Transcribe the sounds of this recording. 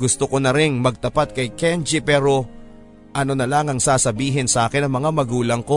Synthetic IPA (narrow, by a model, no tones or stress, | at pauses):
ɡʊst̪okonɐɾɪŋmɐɡ̚t̪ɐpat̪̚kɐjkɛnd͡ʒɪpɛːɾo̞ | ʔɐnonɐlaŋɐŋsaːsɐbiːɦɪnsɐʔaːkɪnːɐŋmɐŋamɐɡuːlɐŋko̞